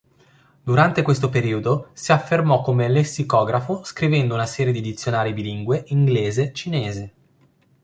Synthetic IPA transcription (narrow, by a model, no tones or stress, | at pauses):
d̪uɾant̪ekwest̪opeɾiːod̪osiafːermɔkːomelesːikɔːɡɾafoskɾivɛnd̪ounasɛːɾjed̪id̪it̪sːjonaːɾibiliŋɡweiŋɡleːzet͡ʃineːze